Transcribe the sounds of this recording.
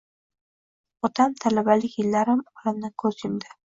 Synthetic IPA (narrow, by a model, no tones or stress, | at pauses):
ɒt̪ʰamt̪ʰalabalɪkʲjɪlːaɾɪmɒlɪmnɪkʰɵzjʊmd̪ɪ